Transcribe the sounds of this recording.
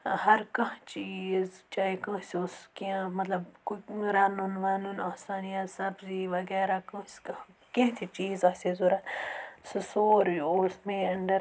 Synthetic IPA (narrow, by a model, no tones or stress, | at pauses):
ɦɐɾkɐ̃ɦt͡ʃiːzt͡ʃaːikɐ̃ːsiʊskiãmɐt̪lɐbkuɾaːnunʋanunaːsaːnijasɐbziʋɐɡɛːɾakɐ̃sk | kẽɦt̪ʰit͡ʃiːzɐːsezuɾasɨsoːɾiosmẽɐɳɖɐɾ